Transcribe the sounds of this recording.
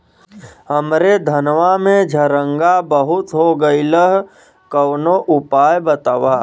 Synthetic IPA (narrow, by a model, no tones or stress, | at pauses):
ɦəmɾed̪ʱənʋamẽd͡ʒʱəɾə̃ŋɡabəɦʊt̪ɦoɡəiləɦ | kəwnoʔʊpaːjbət̪aːʋaː